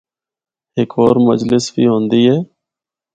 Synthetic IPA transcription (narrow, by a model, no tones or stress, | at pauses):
ɦɪkʰoːɾmə̰d͡ʒlɪsbiːɦõːnd̪iːɦɛː